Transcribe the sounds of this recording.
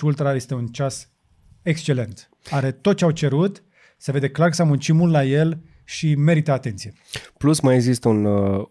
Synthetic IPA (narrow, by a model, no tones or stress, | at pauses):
ult̪ɾaje̞st̪e̞unt͡ʃas | ekst͡ʃe̞le̞nt̪ | aɾe̞t̪ot̪̚t͡ʃeawt͡ʃe̞ɾut̪ | se̞ve̞d̪e̞klarkəsamunt͡ʃit̪mult̪lajel | ʃime̞ɾit̪əat̪e̞nt̪sije | plusmajeɡzist̪əun